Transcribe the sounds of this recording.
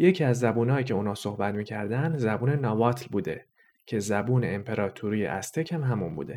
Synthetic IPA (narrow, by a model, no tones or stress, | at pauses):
je̞cʰiːæzːæbuːnɒːjiːcʰeuːnɒːsohbæt̪miːcʰæɾd̪ænd̪zæbuːne̞nɒːvɒːt̪ʰlbuːd̪e̞̰ | cʰe̞zæbuːne̞empʰe̞ɾɒːt̪ʰuɾiːjḛʔæst̪ʰe̞cʰhæmɦæmṵnbṵːd̪e̞